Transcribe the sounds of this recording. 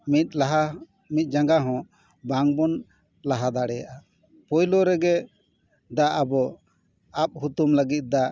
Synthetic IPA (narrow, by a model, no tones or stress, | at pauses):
mit̪̚laɦa | mit̪̚d͡ʒaŋɡaɦɔ̃ | baŋbɔn | laɦad̪aɽɛjaʔa | pɔjlɔɾɛɡɛ | d̪aʔabɔ | ap̚ɦutumləɡit̪̚ˀd̪a